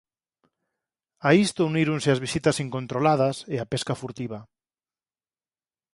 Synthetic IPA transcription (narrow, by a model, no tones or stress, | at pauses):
aist̪ouniɾunsɪazβisit̪asiŋkont̪ɾolað̞aseapeskafuɾt̪iβa